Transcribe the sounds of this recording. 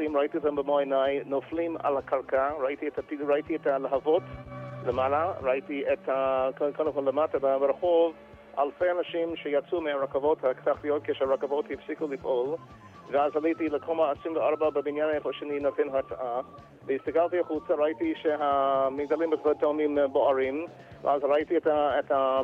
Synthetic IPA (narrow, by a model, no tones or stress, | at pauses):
imɹaitiotambəmojnajnoflima̰lakʰalkʰaɹaʔitiɛtatiɾaitiɛtaleɦavotlemalaɾaʔitiethakkʰanukonlematabəbəɾaχov | a̰lfeanaʃimʃejat͡sumeaɹakavothaktaχtijot̚kʰeʃɛaɹakavothifsikulifʔol | vəazalitiləkʰomaːsimvəaɾbabəbinjanajefoʃeninotʰenɦat͡saʔa | vəistakaltiaχut͡saɾaitiʃeɦamiɡ̚dalĩmbətotomĩmboaɹĩm | və̰ʔazɾaitiɛtaetha